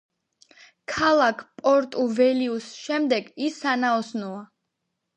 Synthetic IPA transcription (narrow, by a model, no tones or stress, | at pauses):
kʰalˠakʰpʼɔɾt̪ʼuvɛliusʃɛmd̪ɛɡisːanaɔsnɔa